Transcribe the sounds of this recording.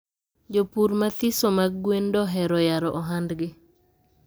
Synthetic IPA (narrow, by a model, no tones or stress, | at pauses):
d͡ʒopuɾmat̪isomaɡɡwendɔɦɛɾɔjaɾɔʔɔɦandɡɪ